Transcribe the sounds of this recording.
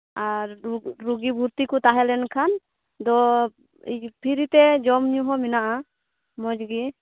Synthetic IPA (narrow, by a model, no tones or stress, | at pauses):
aɾɾuɡibʱuɾt̪ikut̪aɦɛlɛnkʰan | d̪ɔ | pʰiɾit̪ɛd͡ʒɔmɲuɦɔminaʔa | mɔd͡ʒɡi